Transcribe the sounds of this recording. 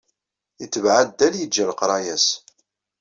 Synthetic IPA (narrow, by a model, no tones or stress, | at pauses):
jət͡sːəvʕad̪ːæljəd͡ʒːælqɾˤɑjæs